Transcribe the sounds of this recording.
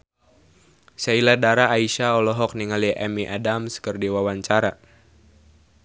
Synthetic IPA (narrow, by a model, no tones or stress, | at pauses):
sailadaɾaːiʃaɔlɔɦɔk̚niŋaliʔɛmiʔadamskɨrdiwawaɲt͡ʃaɾa